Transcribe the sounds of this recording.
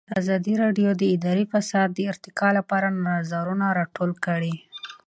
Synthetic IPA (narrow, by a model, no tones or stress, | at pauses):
d̪əazɑd̪iɾɑɖjod̪əɪd̪ɑɾifasɑd̪ːəɪɾt̪ɪkɑlapɑɾanaazɑɾunaɾɑʈolkəɽi